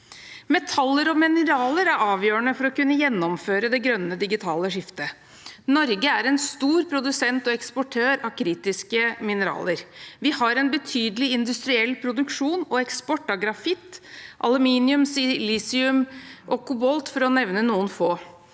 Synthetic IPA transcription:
mɛt̪ʰɑlːəɾɔmɪnəɾɑːləɾæɾɑːʋjøːɳəfɔɾɔkʉnːəjɛnːɔmføːɾəd̪ɛɡɾœnːəd̪ɪɡɪt̪ʰɑːləʂɪft̪ə | nɔɾɡəæɾɛnst̪uːɾpʰɾʊd̪ʉsɛnt̪ɔɛkspɔʈʰøːɾɑʋkʰɾiːt̪ɪskəmɪnəɾɑ̰ːləɾʋɪhɑɾɛnbət̪ʰyːd̪əlɪɪnd̪ʉst̪ɾɪɛlːpʰɾʊd̪ʉkʂuːnɔɛkspɔʈːɑɡɾɑfɪt̪ːʔɑlʉmiːnɪʉmsɪlisɪʉmʔɔkʊbɔlt̪fɔɾɔnɛʋnənuːənfoː

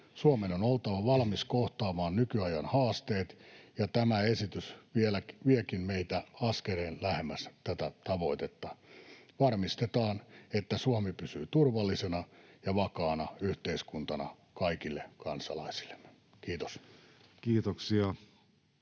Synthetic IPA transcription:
suɑmenonolt̪ɑʋɑʋɑlmiskoht̪ɑːmɑːnnykyɑjɑnhɑːst̪eːt̪jɑt̪æmæesit̪ysʋielækʋiekinmeit̪æɑskeleːnlæhemːæst̪æt̪æt̪ɑʋo̞it̪et̪ːɑʋɑrmist̪et̪ɑːnet̪ːæsuɑmepysyːt̪urʋɑlːisenɑjɑʋɑkɑːnɑyht̪eiskunt̪ɑnɑ̰ | kɑikilːekɑnsɑ̰lɑ̰isi̥lːe̥mːe̥ | kiːt̪o̥skiːt̪oksiɑ

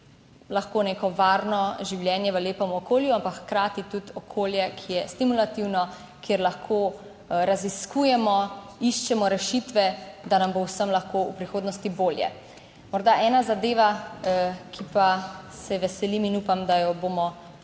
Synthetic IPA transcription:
laxkoːneːkɔʋaːɾnɔʒiwljɛːnjɛʋəleːpɔmɔkoːljuampakxkɾaːt̪it̪ut̪ɔkʰoːljɛkʰijɛst̪imulat̪iwnɔ | kjeɾlaxkʰo | ɾaziskuːjɛmɔ | iʃt͡ʃɛmɔɾɛʃit̪ʋɛd̪anambowsəmlaxkoupɾixoːd̪nɔst̪iboːljɛ̰ | mɔɾd̪aʔɛːnazad̪eːʋa | kʰipasɛʋɛsɛliminuːpamd̪ajɔbomɔ

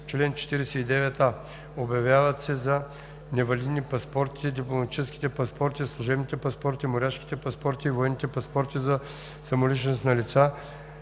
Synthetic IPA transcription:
t͡ʃlɛnt͡ʃɛ̥t̪iɾɛsɛid̪ɛvɛt̪a | objɐvjavət̪sɛzɐ | nɛvɐlid̪nipɐspɔɾt̪i̥t̪ɛd̪ʲiplˠomɐt̪i̥t͡ʃɛskʲi̥t̪ɛpɐspɔɾt̪izslˠʊʒɛbnit̪ɛpɐspɔɾt̪imoɾʲaʃki̥t̪ɛpɐspɔɾt̪iːvoɛnːit̪ɛpɐspɔɾt̪izɐ | sɐmolit͡ʃnost̪nɐlit̪sa

